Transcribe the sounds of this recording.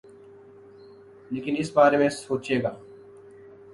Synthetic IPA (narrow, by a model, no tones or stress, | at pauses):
leːkɪnɪsbaːɾeːmẽːsoːt͡ʃeːɡaː